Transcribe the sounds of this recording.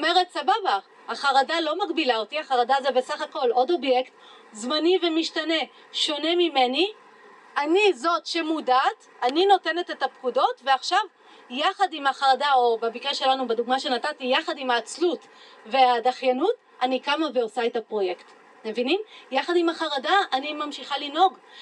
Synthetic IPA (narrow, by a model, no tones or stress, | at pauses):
ome̞ʁetsababa | aχaʁadalo̞maɡbilaotiaχaʁadaːzeve̞saχako̞lo̞do̞bje̞kt | zmanive̞miʃtane̞ | ʃo̞ne̞mime̞ni | anizo̞tʃe̞mudat | anino̞te̞ne̞tetapkudo̞tveaχʃav | jaχadimaχaʁadao̞babikʁeʃe̞lanubeduɡmaʃe̞natatijaχadimaːt͡slut | ve̞adaχjanut | anikamave̞osaetapʁo̞je̞kt | mevinimjaχadimaχaʁadaanimamʃiχalino̞ɡ